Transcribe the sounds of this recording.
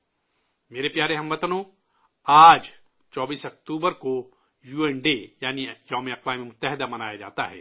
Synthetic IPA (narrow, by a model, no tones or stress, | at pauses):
meːɾepjaːɾeɦɐ̃mʋɐt̪nõ | aːd͡ʒ | t͡ʃɔːbiːsɐk̚t̪uːbəɾko | juːɛnɖejaːnijɔːmeɐqʋaːmemʊt̪ːɛɦɪd̪amɐnaːjad͡ʒa̰ːt̪aɦɛ̰ː